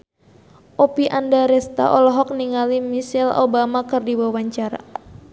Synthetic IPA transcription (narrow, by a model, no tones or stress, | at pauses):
ʔopiʔandaɾɛst̪a̰ʔɔlɔɦɔk̚niŋalimisɛlo̰bamakɨrdiwawaɲt͡ʃaɾa̰